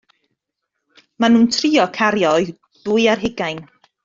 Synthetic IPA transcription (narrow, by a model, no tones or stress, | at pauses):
manuːntʰriːɔkʰaɾjɔj | d̥uːɨarɦɪɡajn